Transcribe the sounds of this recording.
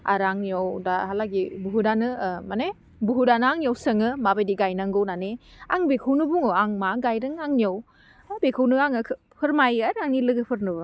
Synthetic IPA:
a̰ɾaŋniowdahalaɡibuɦudanɯmane | buɦudanɯaŋnijowsɯŋɯmabajdiɡajnaŋɡɯwnanea̰ŋbekʰɯwnɯbuŋoaŋmaɡajɾɯŋaŋnijow | abekʰɯwnɯaŋɯkʰ | pʰɯɾmajaɾaŋnilɯɡɯpʰɯɾnɯbɯ

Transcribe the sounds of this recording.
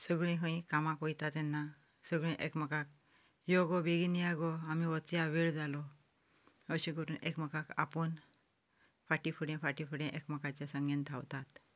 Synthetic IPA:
səɡɭẽɦə̃ĩkamãkɔjt̪at̪ɛnːa | səɡɭẽʔekməkak̚ | jɔɡɔbeɡinijaɡɔamiʋɔt͡sjaʋeɭd͡zalɔ | əɕĩkəɾuːnʔekməkaka̰pɔn | faʈifʰuɽɛ̃faʈifuɽẽʔekməkat͡ɕjasə̃ŋɡẽnt̪ʰawt̪at̪

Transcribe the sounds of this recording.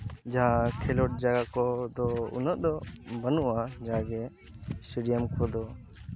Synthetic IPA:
d͡ʒakʰɛlɔʈ̚d͡ʒaɡakɔd̪ɔṵnəʔd̪ɔbənuʔad͡ʒaɡɛ | siɖijəmkʰɔd̪ɔ

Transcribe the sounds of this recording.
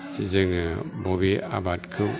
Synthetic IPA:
zɯŋɯbobia̰batkʰɯ

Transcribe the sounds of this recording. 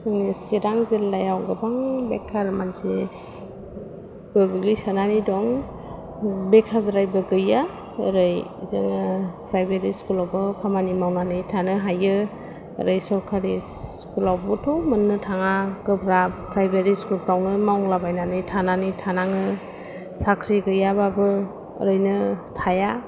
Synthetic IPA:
sɯŋisiɾaŋzelːajawɡɯbaŋbekʰːaɾmanse | b̥ɯɡɯlisananidɔŋ | bekʰadɾajbɯɡɯja | əɾɯjzɯ̰ŋɯpʰɾajbeɾiskulabɯpʰamanimawnanɯjtʰanɯɦajɯ̰ | ɾɯjsɔɾkʰaɾi | skulawbɯtʰumɯnːɯtʰaŋaɡɯbɾapʰɾajbeɾiskup̚ɾawnɯmawŋlabajnanɯjtʰananɯjtʰanaŋɯ | sakʰɾiɡɯjababɯ̰ | ɾɯjnɯtʰaja

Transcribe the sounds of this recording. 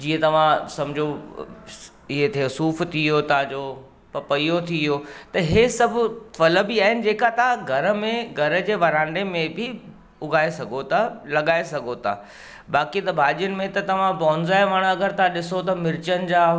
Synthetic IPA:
d͡ʑiːə̃t̪ɐʋ̤ãsɐmd͡ʑʱo | ɪɦet̪ʰeʊsuːft̪ʰiɦot̪ɦãd͡ʑoː | pɐpɐijot̪ʰiɦoːt̪ɐɦesɐbʱʊfɐlə̆bɪaːɦɪnɪ̆d͡ʑeːkat̪ɐɦãɡʱɐɾə̆mẽɡʱɐɾə̆d͡ʑeːʋɐɾãːɳɖemẽbʱɪ | ʊɡʱaːesɐɡʱot̪ʰalɐɠaːesɐɡʱot̪ʰa̰ | ɓaːkit̪ɐbʱaːʄijənɪ̆mẽt̪ɐt̪ɐʋ̤ãbɔːnzaːeʋɐɽ̃ɐɡəɾt̪ãɗɪsot̪ɐmɪɾɪt͡ɕənɪ̆d͡ʑaː

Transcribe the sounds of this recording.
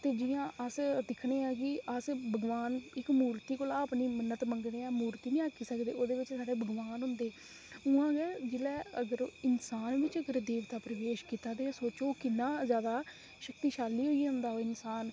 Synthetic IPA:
t̪eːd͡ʒɪjãːʔəsd̪ɪkʰɽeːãːkɪʔəsbəɡʋaːnɪkmuːɾt̪iːkoːlaːəpniːmənət̪məŋɡneːãːmuːɾt̪iːnĩːaːkʰːiːsəkd̪eːoːd̪eːʋɪt͡ʃsaːɽeːbəɡʋaːnɦʊ̃nd̪eː | ʊãːɡɛːd͡ʒɪlɛːəɡəɾɪnsaːnʋɪt͡ʃəɡəɾd̪eːʋt̪aːpɾəʋeːʃkiːt̪aːd̪eːaːsoːt͡ʃoːkɪnːãːzjaːd̪aː | ʃək̚t̪iːʃaːlːiːɦoːiːɦʊ̃nd̪aːɦoɪnsaːn

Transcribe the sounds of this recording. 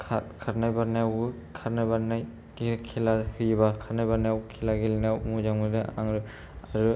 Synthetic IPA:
kʰakʰaɾnajbanajawɯ | kʰaɾnajbanaj | ɡikʰilahɯjbakʰaɾnajbaɾnajawkʰilaɡilnawmuzaŋmɯdɯa̰ŋɾɯ | aɾu

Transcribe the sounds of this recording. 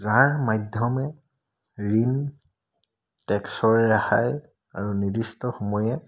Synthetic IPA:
zaɹmajdʱjɔmɛ | ɹin | tɛksɔɹaxaj | a̰ɹunidistɔxɔmɔjɛ

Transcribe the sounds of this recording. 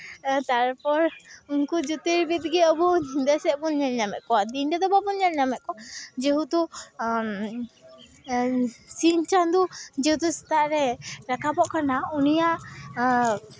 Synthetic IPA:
t̪aɾpɔɾunkud͡ʒut̪iɾbit̪̚ɡɛəbud̪ɛsɛbunɲɛlɲamɛ̰t̪̚kɔwad̪inɖɛd̪ɔbabunɛlɲamɛt̪̚kɔwad͡ʒɛɦut̪u | siɲt͡ʃand̪ud͡ʒɛhut̪usɛ̥t̪aʔɾɛɾakabɔʔkanaunijaʔ

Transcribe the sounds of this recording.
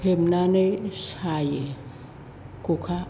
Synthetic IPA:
em̩naneʃajɛ | kʼukʰa

